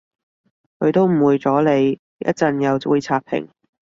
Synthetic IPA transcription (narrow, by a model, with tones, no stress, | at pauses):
kʰɵ˨˧ɥt̪o˥wm̩˨˩wuː˨˧jt͡sɔː˨˥le˨˧j | jɐ̰˥t̚t͡sɐ˧njɐ˨˧wuː˧jt͡sʰaː˧k̚pʰɪ̰˨˩ŋ